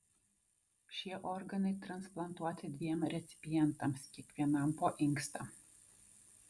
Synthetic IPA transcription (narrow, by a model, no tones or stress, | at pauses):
ʃʲiɛʔɔɾɡɐnɐɪt̪ɾɐnsplˠɐnt̪uɔt̪ʲɪd̪ʲʋʲiɛmɾʲɛt̪sʲɪ̥pʲɪjɛnt̪ɐmskʲiɛkʋʲiɛnɐmpoːʔɪŋkst̪ɐ